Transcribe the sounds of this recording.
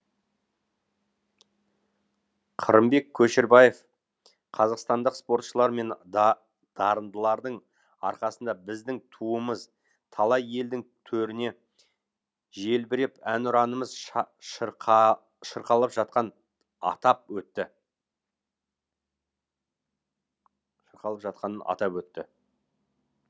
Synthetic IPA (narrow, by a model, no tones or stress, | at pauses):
qʰəɾəmbe̞kʲʰːɵʃɪɾbɑje̞f | qʰɑzɑqst̪ɑnd̪əqspo̞ɾt̪ʃəlˠɑɾme̞n | d̪̥ɑɾənd̪əlˠɑɾd̪əɴ | ɑ̰ɾqɑsənd̪ɑbɪzd̪ɪŋt̪ʰuəməz | t̪ʰɑlˠɑje̞ld̪ɪŋt̪ʰɵɾɪne̞ | ʒe̞lbɪɾɪpænʊɾɑnəməzʃ | ʃəɾqɑlˠəpʒɑt̪̚qɑn | ɑ̰t̪ɑp̚wɵt̪ːɪ | ʃəɾqɑlˠəpʒɑt̪̚qɑnənʔɑ̰t̪ɑpwɵt̪ːɪ